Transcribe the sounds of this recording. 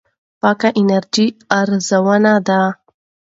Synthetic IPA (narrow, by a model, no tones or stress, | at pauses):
pɑkaʔɪnaɾd͡ʒiaɾzawənad̪a